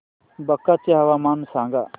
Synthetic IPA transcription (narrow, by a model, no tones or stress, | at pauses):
bɐkːat͡ʃeɦɐʋaːmaːnsãːŋɡa